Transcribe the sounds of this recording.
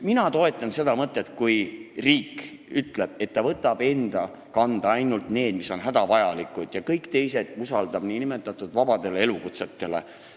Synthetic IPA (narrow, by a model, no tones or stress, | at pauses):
minɑt̪o̞e̞t̪ːˑɑnse̞d̪ɑmɤt̪ːˑet̪̚ːˑkujriːkyt̪ːˑle̞b̥e̞t̪ːɑvɤt̪ːˑɑb̥e̞nd̪̥ɑ | kɑnd̪̥ɑɑjnult̪ne̞ːd̪̥miso̞nɦæd̪̥ɑvɑjɑlikːˑud̪̥jɑkɤjkt̪e̞jse̞d̪̥usɑld̪ɑb̥niːnimet̪ːˑɑt̪ːˑud̪̥vɑb̥ɑd̪̥e̞lee̞lukut̪set̪ːe̞lḛ